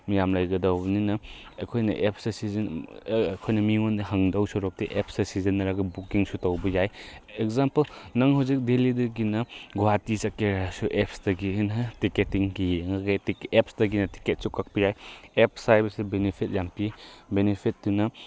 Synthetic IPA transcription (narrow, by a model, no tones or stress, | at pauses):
mijamlajɡɐdawbɐninɐ̰ː | kʰojnɐ̰ʔep̚sɐsizɐn | kʰojnɐmiŋondɐɦɐŋdawsɔɾɔk̚tiʔep̚ʰsɐsizɐnːɐɾaɡɐbukiŋsutawbɐjajekzampɐlnɐŋɦawzik̚delidɐɡinɐɡoatisɐkeɾasuʔep̚sdɐɡinɐtiketiŋɡiŋaɡatiep̚sdɐɡinɐti̥ket̚sukːak̚pɐjajep̚ʰsajbɐsibenipʰit̚jampibenepʰit̚dinɐ